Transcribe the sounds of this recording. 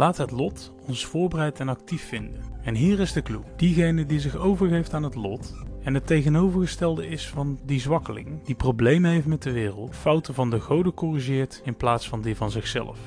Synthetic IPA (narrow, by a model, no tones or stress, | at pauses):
laːtɦətlɔt | ɔnsfʊːɹbərɛjtɛnɑk̚tifːɪndənɛnɦiːrɪzdəklud̥iɣejnədizɪχowvəɹχejftaːnɦətlɔtɛnɦətejɣənowvəɹɣəstɛlˠdəɪsfɑndizʋɑkəlɪ̰ŋd̥iprowblejməɦejftmɛt̚dəʋɪːrə̰lˠtfɑwtəvɑndəɣowdəkɔriʒɪːɹtɪnplaːtsfɑndivɑnzɪxsɛ̰lə̰f